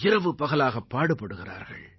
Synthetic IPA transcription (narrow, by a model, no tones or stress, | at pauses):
ɪrɐʋɯpɐɣɐlaːɣɐpːaːɽɯpːɐɽɯɣɪra̰ːɾɣɐ̰ɭ